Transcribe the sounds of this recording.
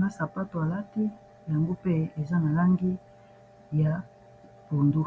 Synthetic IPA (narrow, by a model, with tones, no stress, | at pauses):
na˦sa˨pa˦to˨a˨la˦ti˦ | ja˨ŋɡo˦pe˦e˨za˦na˨la˦ŋɡi˦ | ja˨ | po˨ndu˦